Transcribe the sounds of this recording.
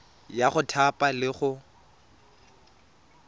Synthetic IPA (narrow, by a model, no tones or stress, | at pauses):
jaχʊtʰapʼalɪχʊ